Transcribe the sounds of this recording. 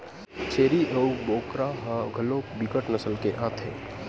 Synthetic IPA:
t͡ʃʰeːɾiʔəuboːkɾaɦaɡʱɐlõːbikəʈnəsəlkeʔaːt̪ʰḛː

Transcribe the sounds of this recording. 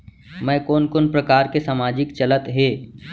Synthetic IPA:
mɛ̃ːkoːnkonpɾɐkaːɾkesaːmaːd͡ʒɪkt͡ʃɐlət̪ɦeː

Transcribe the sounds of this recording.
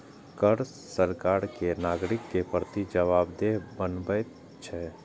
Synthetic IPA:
kəɾ | səɾkaːɾkenaːɡɾɪkːepɾət̪id͡ʒəʋaːbd̪ebənbəj | t͡ʃʰɛː

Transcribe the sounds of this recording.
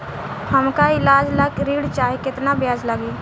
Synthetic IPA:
həmkaɪlaːd͡ʒləkɾiːɽt͡ʃaːɦikɪt̪nabjaːd͡ʒləɡiː

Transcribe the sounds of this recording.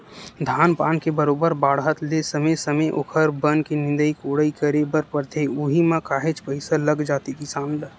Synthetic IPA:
d̪ʱaːnpaːnkebəɾoːbəɾbaːɽɦət̪lesɐməjsɐməjʔʊ̰kʰəɾbənkinɪ̃nd̪əikoːɽəikəɾebəɾpəɾt̪ʰeuɦimãkaːɦet͡ʃpəɪsalɐɡd͡ʒaːt̪ikisaːnlə

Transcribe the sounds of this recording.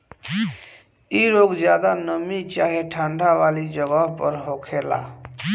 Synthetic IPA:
iɾoɡd͡ʒjad̪anəmit͡ʃaɦeʈʰãɳɖʱaʋalid͡ʒəɡəɦpəɾɦokʰela̰

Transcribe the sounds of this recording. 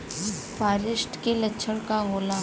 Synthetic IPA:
paːɾɪʃʈkelɐtːʃʰəɽkaɦoːla

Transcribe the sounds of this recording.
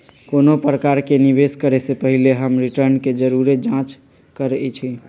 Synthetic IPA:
konopɾəkaɾkeniβeskəɾesepəɦileɦəmɾiʈəɾnked͡ʒəɾuɾed͡ʒãt͡ʃ | kəɾɛt͡ʃʰi

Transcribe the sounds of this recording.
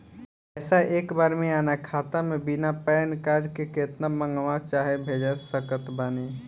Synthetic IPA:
ɛːsaʔeːkbaːɾmẽaːnakʰaːt̪amẽbɪnapɛːnkaːɾd͡ʒkekeːt̪namə̃ŋɡʋãt͡ʃaːɦebʱeːd͡ʒəsəkət̪baːniː

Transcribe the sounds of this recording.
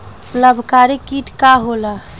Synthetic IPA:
ləbʱkaɾikiʈkaɦola

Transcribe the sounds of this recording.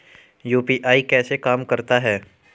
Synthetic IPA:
juːpiʔaːikɛːsekaːmkɐɾt̪aɦɛː

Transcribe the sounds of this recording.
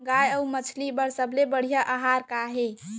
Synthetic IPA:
ɡajəumət͡ʃʰlibəɾsəblebəɽ̤ijaʔaɦaɾkaɦe

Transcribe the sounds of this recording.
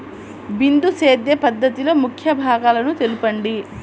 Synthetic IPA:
bind̪useːd̪jɐpɐd̪ːɐt̪ilo̞ːmukʰjɐbʱaːɡaːlɐnut̪elupɐɳɖi

